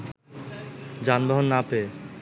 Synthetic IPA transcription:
d͡ʑanbaɦonːape

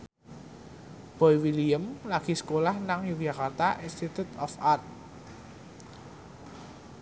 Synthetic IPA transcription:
b̥ɔiwiliəmlaɡ̥i̤sə̥kolahnaŋjuɡjakart̪aʔinst̪it̪ut̪ɔfart̪̚

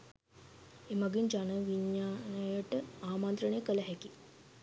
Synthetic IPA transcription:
emaɡiɲd͡ʒanəʋiɲːaːnəjəʈəaːmant̪ɾənəjəkələɦɛki

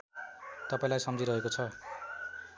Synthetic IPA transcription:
t̪ʌpaĩlajsʌmd͡zʱiɾʌɦekot͡sʰʌ

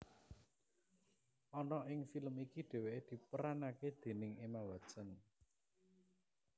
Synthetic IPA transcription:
ʔɔnɔʔɪŋfiləmikiɖ̥e̤weʔed̪̥i̤pəɾanaked̪̥e̤nɪŋemawḁt͡ʃən

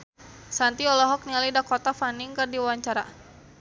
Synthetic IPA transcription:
sant̪iɔlɔɦɔk̚nialidakɔt̪afaniŋkɨrdiwaaɲt͡ʃaɾa̰

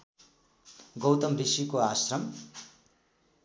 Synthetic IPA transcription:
ɡʌwt̪ʌmrisikoasrʌm

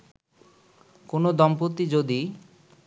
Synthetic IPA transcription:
konod̪ɔmpot̪ːid͡ʑod̪i

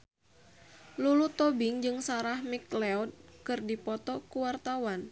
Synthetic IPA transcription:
lulut̪ɔbɪŋd͡ʒɨŋsaɾahmiklɛɔd̚kɨrdipɔt̪ɔkuwart̪awan

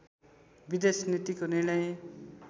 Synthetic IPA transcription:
bid̪esnit̪ikoniɽ̃ʌj

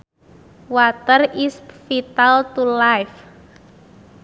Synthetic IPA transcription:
wat̪ərisfit̪alt̪ulajf

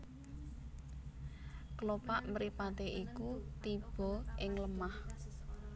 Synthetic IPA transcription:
kəlopaʔməɾipat̪eʔikut̪ib̥ɔ̤ɪŋləmah

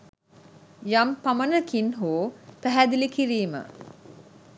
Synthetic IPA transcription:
jampamənəkinɦoːpæɦæd̪ilikiɾiːmə̰

